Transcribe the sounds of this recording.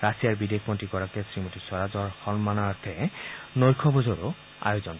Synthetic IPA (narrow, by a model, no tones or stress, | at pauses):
ɹasijaɹbidekʰmɔntikɔɹakɛsɹimotiswaɹazɔɹxɔnmanaɹt̪ʰɛnojkʰɔbɔzɔɹo | a̰jozɔn